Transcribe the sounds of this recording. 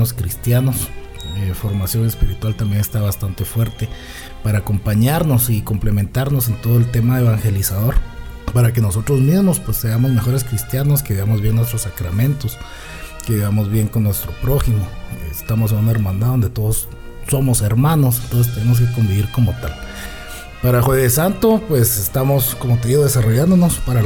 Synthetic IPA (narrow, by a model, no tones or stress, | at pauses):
oskɾist̪janos | efo̞ɾmasjo̞ŋespiɾit̪walt̪ambjene̞st̪aβast̪ant̪e̞fwe̞ɾt̪e | paɾaːko̞mpaɲaɾno̞sikomplemẽ̞nt̪aɾnose̞nt̪oðoelt̪e̞maeβaŋxe̞lisaðo̞ɾ | paɾake̞noso̞t̪ɾozmizmospwe̞sːe̞amo̞zme̞xo̞ɾe̞skɾist̪janoskeβeβamozβje̞ŋnwest̪ɾosakɾamẽ̞nt̪os | keβeβamozβje̞ŋkonːwe̞st̪ɾo̞pɾo̞ximo̞ḛst̪amo̞senunaeɾmãnd̪aðo̞nd̪e̞t̪o̞ðosː | o̞mo̞se̞ɾmãno̞sent̪ons̬est̪e̞ne̞mos̬ke̞ko̞mbiβiɾko̞mot̪al | paɾaxwezðesant̪opwe̞sest̪amo̞sko̞mot̪e̞ðiɣoðe̞saro̞ʝand̪onospaɾa